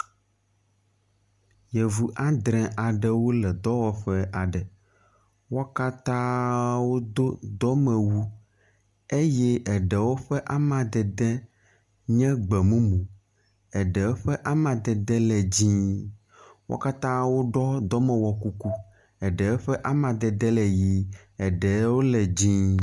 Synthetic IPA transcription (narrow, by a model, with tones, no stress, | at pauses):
jɛ˨vu˨ʔa˦d̪ɾɛ̃˨ʔa˨ɖɛ˦wo˦lɛ˨d̪ɔ˦wɔ˨ɸɛ˦ʔa˨ɖɛ˨ | wɔ˦ka˦t̪ã˦wo˦d̪o˦d̪ɔ˦mɛ˨wu˦ | e˦jɛ˦ɛ˨ɖɛ˨wo˦ɸɛ˦ʔa˦mã˨d̪ɛ˨d̪ɛ˦ | ɲɛ̃˦ɡ͡bɛ˨mũ˦mũ˨ | ɛ˨ɖɛ˨wo˦ɸɛ˦ʔa˦mã˨d̪ɛ˨d̪ɛ˦lɛ˨d͡ʑĩ˦ | wɔ̰˦ka˦t̪ã˦wo˦ɖɔ˦d̪ɔ˦mɛ̃˨wɔ˨ku˦ku˦ | ɛ˨ɖɛ˨wo˦ɸɛ˦ʔa˦mã˨d̪ɛ˨d̪ɛ˦lɛ˨ji˦ɛ˨ɖɛ˨˦wo˦lɛ˨d͡ʑĩ˦